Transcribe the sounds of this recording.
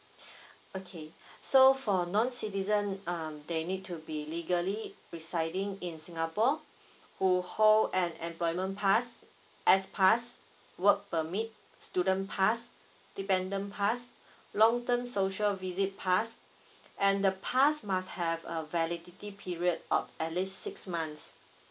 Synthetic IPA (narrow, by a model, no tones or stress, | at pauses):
okʰesofɔnɔ̃nsitizə̃namdenit̚tʰːubiliɡəli | ɹisaɪdĩŋĩnsĩŋapɔ | huholɛ̃nɛ̰̃mplɔjmə̃npʰas | ʔɛspʰas | wək̚pəmit̚ | studə̃npʰas | d̥ipɛ̃ndə̃npʰas | lɔ̃ŋtə̃msoʃəlvizit̚pʰas | ʔɛ̃ndəpʰasmasthɛvə̰vɛliditipʰiɹiədɔ̰fɛtlissiksmãns